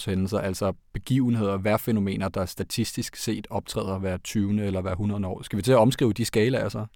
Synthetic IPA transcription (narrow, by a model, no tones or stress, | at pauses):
shenl̩sɐʔælsɒb̥e̝ɡ̥ḭːʊn̩he̝ð̞̰ˠɐʋæɐ̰feno̝me̝̰ːnɐd̥ɑ̈æɐsd̥æt͡sʰisd̥isɡ̥se̝̰ːd̥ɒ̽b̥̚t͡sʰʁɛ̰ːð̰ˠɐʋæɐ̰t͡sʰyːʊənəelɐʋæɐɦunɐðˠəɒ̰ːsɡ̥æʋit͡sʰe̝læɒ̽msɡ̥ʁḭʊd̥isɡ̥ɛːlɐæsɐ